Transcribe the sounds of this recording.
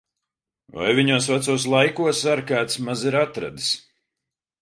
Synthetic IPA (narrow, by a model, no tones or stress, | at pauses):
va̰jviɲuːsvat̪suɔslˠajkuɔsaɾkaːt̪smaziɾat̪ɾa̰d̪is